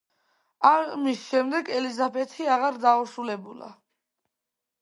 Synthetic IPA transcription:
amisʃɛmd̪ɛɡɛlizabɛt̪ʰiaʁaɾd̪auʃulɛbula̰

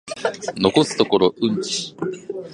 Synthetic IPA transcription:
no̞ko̞sɨ̥t̪o̞ko̞ɾo̞ɯ̟̃ɲt͡ɕi̥

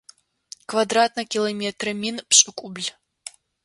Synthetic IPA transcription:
kvad̪ɾat̪̚nɐkʲilˠɐmʲɛt̪rɨmʲinpɕʼɨkʼublʲ

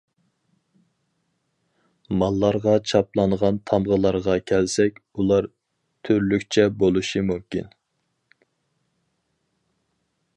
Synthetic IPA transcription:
mɑlˠːɑɾʁɑt͡ʃʰɑplˠɑnʁɑnt̪ʰɑmʁəlˠɑɾʁɑkʲʰɛlsɛkʲulˠɑɾ | t̪ʰyɾlykʲt͡ʃʰɛbolˠuʃimumkʲḭn

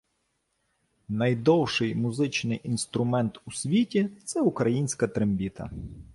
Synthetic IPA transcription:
nɐjd̪ɔwʃɪjmʊzɪt͡ʃnɪjʔinst̪ɾʊmɛnt̪usʲʋʲitʲit̪sɛʊkɾɐjinʲsʲkɐt̪ɾembʲit̪ɐ̰

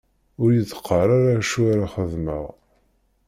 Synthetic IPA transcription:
ʊɾjət͡sːə̥qʰːəɾaɾaʃuɾaχəðmə̰ʁ

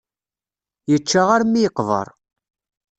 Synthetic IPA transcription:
jət͡ʃːaʁaɾmːijəqvə̰ɾˤ

